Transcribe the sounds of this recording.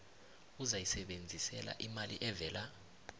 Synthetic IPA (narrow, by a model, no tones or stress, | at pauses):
uzajisɛɓend͡zʱisɛla̰ʔimalḭʔɛvɛːla